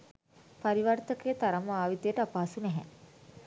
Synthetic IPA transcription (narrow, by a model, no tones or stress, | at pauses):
paɾiʋart̪əkejːt̪aɾaməaːʋit̪ejəʈəapaːsunɛɦɛ̰